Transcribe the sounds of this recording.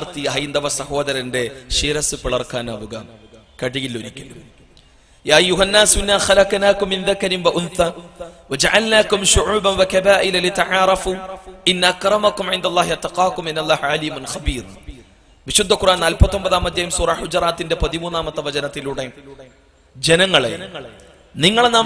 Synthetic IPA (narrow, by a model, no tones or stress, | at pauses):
rt̪ijɐɦɐjind̪ɐʋɐsɐho̞ːðɐɾɐnde̞ʃiːɾɐsɨpiɭɐrkaːnɐʋuɣɐ | kɐɽijilːoɾikʲːɐnum | jaːɐjːuɦɐnːaːsinːaːxɐlɐknaːkumːinðɐkɐɾinwɐʔunθaːwɐd͡ʒɐʕalnaːkumʃʊʕuːbɐnwɐkɐbaːʔilɐlit̪ɐʕaːɾˤɐfuːinːɐɐkrɐmɐkumʕɪnd̪ɐlˤːaːhiɐt̪ːɐqɑːkuminːɐlˤːaːhʕaliːmɐnxɐbiːɾ̰ | ʋiɕud̪ʱːɐkːurʔaːnnaːlpɐt̪ːo̞mbɐðaːmɐd̪jɐjumsuːrɐħʊd͡ʑraːt̪ːinde̞pɐðimuːnːaːmɐt̪ːɐʋɐd͡ʑɐnɐt̪ːiluɽe̞ | d͡ʑenɐŋːɐɭḛ | niŋːɐɭnaː